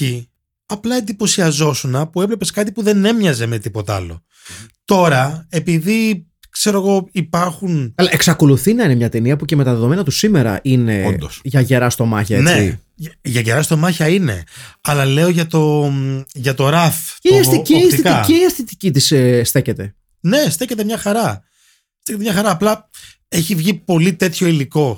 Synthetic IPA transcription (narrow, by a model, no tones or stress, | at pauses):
i | ɐplɐend̪ipo̞siɐzo̞sunɐpue̞vle̞pe̞skɐt̪ipuðe̞ne̞mɲɐze̞met̪ipo̞t̪ɐɐ̰lo̞̰ | t̪o̞ɾɐe̞piði | kse̞ɾo̞ɣo̞ipɐɾxunɐlɐʔe̞ksɐko̞luθinɐine̞mɲɐt̪e̞niɐpuce̞me̞t̪ɐðe̞ðo̞me̞nɐt̪usime̞ɾɐ̰ʔine̞od̪osʝɐʝe̞ɾɐst̪o̞mɐçɐent͡seḭ | ʝɐʝeɾɐst̪o̞mɐçɐine̞̰ɐlɐle̞oʝɐt̪o̞ | ʝɐt̪o̞ɾɐθeɐsiciɐsiikɐiiɐst̪it̪icit̪isst̪e̞ce̞t̪e̞ | ne̞st̪e̞ce̞t̪̬emɲɐxɐɾɐ | st̪ecemɲɐxɐɾɐːplɐ | e̞çivʝipo̞lit̪e̞t̪ço̞iliko̞